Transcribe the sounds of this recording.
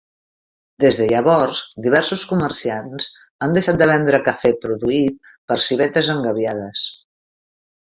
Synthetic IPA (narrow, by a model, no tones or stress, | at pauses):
d̪ezðəʎəβɔɾzd̪iβ̞ɛɾsuskumərsianz̥ | and̪əʃat̪̚d̪əβɛnd̪ɾəkəfepɾuðuit̪̚ | pəɾsiβ̞ɛt̪əzəŋɡəβjaðəs